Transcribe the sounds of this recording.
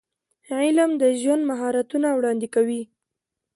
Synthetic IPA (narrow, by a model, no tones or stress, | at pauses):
ʕɪlamd̪əʒwand̪maɦɑɾat̪unawɽɑnd̪ɪkawi